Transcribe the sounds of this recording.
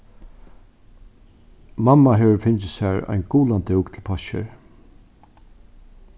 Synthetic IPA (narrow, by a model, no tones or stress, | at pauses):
mamːaɦɛːʋəɾfɪnt͡ʃɪsæɹa̰jnɡuːland̪ɪwkt̪ʰɪlpʰɔʃɪ̰ɹ